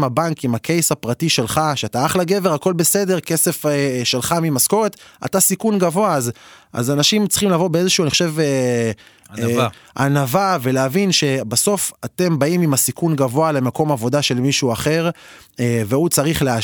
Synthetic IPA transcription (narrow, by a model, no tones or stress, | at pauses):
mabankimakʰe̞jsapʁatiʃe̞lχaʃeataaχlaɡeve̞ʁako̞lbe̞se̞de̞ʁke̞se̞fʃe̞lχamimasko̞ʁet̪a̰tasikunɡavo̞aza̰zanaʃimt͡si̥χimlavo̞beeeʃuːaniχoʃe̞ve | ʔanavave̞leavinʃe̞baso̞fate̞mbaimimasikunɡavo̞ale̞mako̞mavo̞daʃe̞lmiʃuaχe̞ʁ | veut͡saʁiχlea